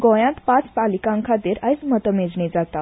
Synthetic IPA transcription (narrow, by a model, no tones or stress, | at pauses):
ɡõjãt̪pãt͡spalikãŋkʰat̪eɾajt͡smət̪əmed͡zned͡zat̪a